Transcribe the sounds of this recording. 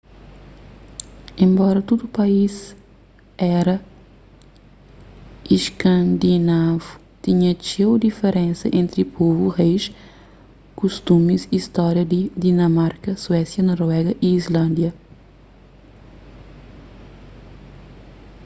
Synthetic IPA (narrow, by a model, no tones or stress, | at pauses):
ẽmbɔɾɐt̪ud̪upɐiz | ɛɾɐ | iʃkɐ̃nd̪inavu | t̪iɲɐt͡ʃewd̪ifeɾẽnsɐ̰ʔẽnt̪ɾipʰovuʁejʃ | kuʃt̪umizist̪ɔɾjɐd̪id̪inɐmaɾkɐswɛsjɐnɔɾɛɡɐʔiːzlɐ̃nd̪jɐ